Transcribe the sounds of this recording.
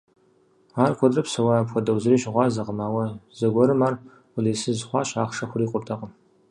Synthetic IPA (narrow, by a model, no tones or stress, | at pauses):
aːrkʷʰɔdrɐpsɐwapxʷɔdɐwzɨriːɕɪʁʷɑːzɐqəmaːwɐzɐɡʷɔɾɨmaːr | ʊleːsɨzɨχʷɑːɕaːχʂɐχʷʊriːqʷʼʊtʰɐqʼəm